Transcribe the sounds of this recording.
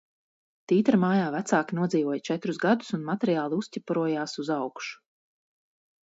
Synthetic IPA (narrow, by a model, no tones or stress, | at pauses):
t̪iːt̪ɾamaːjaːvæt̪saːkʲinuɔd̪ziːvuɔjat͡ʃɛt̪ɾuzɡad̪u̥sunmat̪ɛɾijaːlˠiuscʲipuɾuɔjaːsuzawkʃu̥